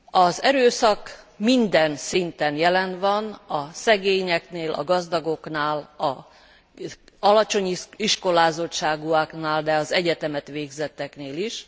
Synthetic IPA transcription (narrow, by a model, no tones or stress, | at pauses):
ɒzɛɾøːsɒk | mind̪ɛnsint̪ɛnjɛlɛnʋɒnɒsɛɡeːɲɛkneːlʔɒ̰ɡɒzd̪ɒɡo̞knaːlɒ | ɒlɒt͡ʃo̞ɲiʃko̞laːzo̞tt͡ʃːaːɡuaknaːld̪ɛɒzɛɟɛt̪ɛmɛt̪ʋeːɡzɛt̪ːɛkneːliʃ